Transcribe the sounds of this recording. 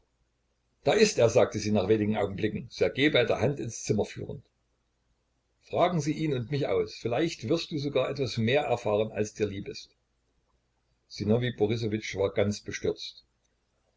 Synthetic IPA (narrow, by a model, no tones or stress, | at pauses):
d̥aːɪstʔeːɐzaːk̚təziːnaːχv̥eːnɪɡŋ̩ʔaʊɡŋ̩blɪkŋ̩z̥oːɐɡeːbaɪdeːɐɦantɪnst͡sɪmɐfy̰ːʁə̰nt | fʁ̥aːɡŋ̩ziːʔiːnʊntmɪçʔa̰ʊsfɪlaɪçtv̥ɪɐst̚d̥uːzoɡaːɐʔɛtv̥asmeːɐʔɛɐfaːʁəna̰lsd̥iːɐliːbɪst | z̥inɔvibɔʁɪs̬ovɪt͡ʃv̥aːɐɡant͡sb̥əʃtʏɐt͡st